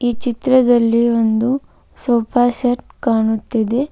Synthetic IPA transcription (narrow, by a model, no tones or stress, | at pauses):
iːt͡ʃit̪ɾɐd̪ɐlːiond̪u | soːpʰaːsɐʈkaːɳut̪ːid̪e̞